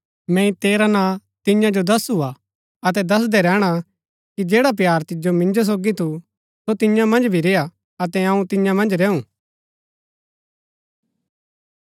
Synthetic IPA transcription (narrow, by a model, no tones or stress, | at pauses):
mɛ̃ĩt̪eːɾanãːt̪ɪ̃jãd͡ʒod̪ɐsua | ɐt̪ɛd̪ɐs̬d̪ɛɾɛːɽ̃a | kid͡ʒeːɽap̬jaːɾt̪ɪd͡ʒomɪ̃nd͡ʒos̬oːɡit̪ʰu | sot̪ɪ̃jãmɐ̃nd͡ʒbʱiɾeːja | ɐt̪ɛɐũt̪ɪ̃jãmɐ̃nd͡ʒɾɛːũː